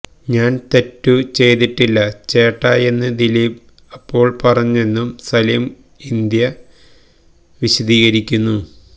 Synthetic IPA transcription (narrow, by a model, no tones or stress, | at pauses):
ɲaːnt̪e̞tːut͡ɕe̞jt̪iʈːilːɐt͡ɕe̞ːʈːaːje̞nːɨd̪iliːb | ɐpːo̞ːɭpɐrɐɲːuenːumsɐljɐm | ind̪jɐ | ʋiɕɐd̪iːɣɐɾikʲːunːu